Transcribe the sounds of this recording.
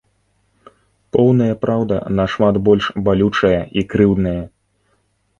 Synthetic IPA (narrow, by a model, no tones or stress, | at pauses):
pɔwnɐjɐpɾʔawd̪ɐ̰nɐʂmat̪bɔlʲʂbalʲut͡ʂɐjɐʔikɾɨwd̪nɐjɐ